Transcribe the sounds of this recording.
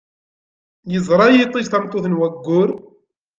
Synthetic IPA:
jəzˤɾˤɑjit̪ˤːiʝθæmt̪ˤːoθənwæɡːʊɾ

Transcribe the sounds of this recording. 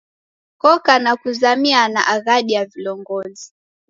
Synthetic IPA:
kɔkanakuzamianaʔaɣaɗijavilɔŋɡɔzi

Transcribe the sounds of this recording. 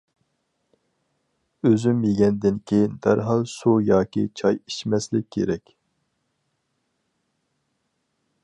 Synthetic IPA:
øzymjeɡʲɛnd̪ɪnkʲʰejnd̪æɾɦɑlˠsujɑːkʲḭt͡ʃʰɑjiʃmɛslɪkʲʰːḛɾɛkʲ

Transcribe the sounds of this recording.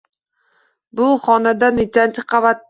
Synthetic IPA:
bʊχɒnad̪anet͡ʃant͡ʃʰɪ̥qʰɑvat̪̚ː

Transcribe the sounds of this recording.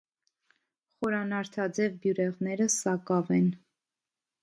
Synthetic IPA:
χɔɾɑnɑɾt̪ʰɑd͡zɛvbjuɾɛʁnɛɾəsɑkɑvɛn

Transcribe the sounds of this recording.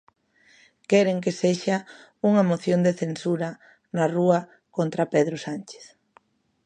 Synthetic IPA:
kɛɾeŋk̬eseʃa | uŋamoθjond̪eθensuɾa | naruɐ | kont̪ɾapeðɾosant͡ʃe̥θ

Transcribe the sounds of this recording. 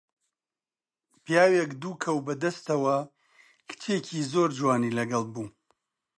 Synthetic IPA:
pjaːwekd̪uːkʰɐwbɐd̪ɐst̪ɐwɐ | kʰɨ̥t͡ʃʰecʰiːzoːɾd͡ʒwaːniːlɐɡɐlˠbuː

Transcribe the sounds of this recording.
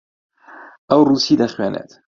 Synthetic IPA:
ʔawruːsiːlaxwæːnʔæ̰ːt̪

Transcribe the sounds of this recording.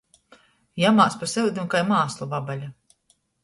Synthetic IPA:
jamaːspaɾsɛud̪ʲimkajmaːslˠuvabalʲa

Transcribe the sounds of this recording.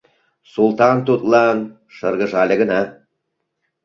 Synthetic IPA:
sulˠt̪ɑnt̪ut̪lˠɑn | ʃɤ̆ɾɣɤ̆ʒɑlʲɘ̆ɡə̆nɑ

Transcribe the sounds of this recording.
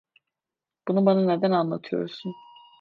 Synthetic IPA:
b̥unubananed̪ænanlˠa̰t̪ʰɯjo̰ɾsun

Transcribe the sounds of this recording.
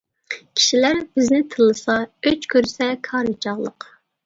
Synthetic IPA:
kʲʰi̥ʃilæɾb̥ɪznɪt̪ʰɨlˠɨsɑøt͡ʃkʲʰøɾsɛkʰɑːɾɨt͡ʃʰɑʁlˠə̰q

